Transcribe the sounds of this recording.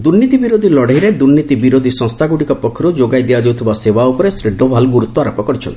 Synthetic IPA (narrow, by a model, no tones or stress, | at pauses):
d̪uɾnit̪ibiɾod̪ʱilɔɽjɾed̪uɾnit̪ibiɾod̪ʱisɔ̃ŋst̪ʰaɡuɽikɔpɔkʰːɾud͡ʒoɡajd̪ijad͡ʒewt̪ʰibasewaupɔɾesɾiɖʱːobʱalɡuɾut̪ːɔaɾɔpɔkɔɾit͡ʃʰɔ̰nt̪i̥